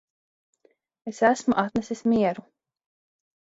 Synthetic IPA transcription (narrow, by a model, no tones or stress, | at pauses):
esæsmuʔat̪nɛsismiɛɾu